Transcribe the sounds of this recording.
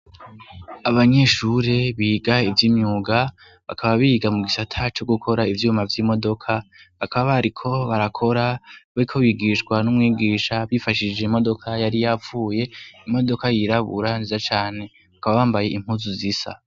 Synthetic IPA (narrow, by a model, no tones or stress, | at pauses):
aβaɲe̞ʃuɾeβiːɡaivjimɲuːɡa | βakʰaβaβiːɡamuɡisatʰat͡ʃo̞ɡukʰo̞ɾaivjuːmavjiːmo̞do̞kʰaβakʰaβaβaɾikʰo̞βaɾakʰo̞ɾaβaɾikʰo̞βiɡiːʃɡwanumŋiːɡiːʃaβifaʃid͡ʒe̞imo̞do̞kʰajaɾijafuːje̞imo̞do̞kajiɾaβṵɾanzizat͡ʃaːne̞ | akaβaβaːmbaje̞im̥huzuzisa̰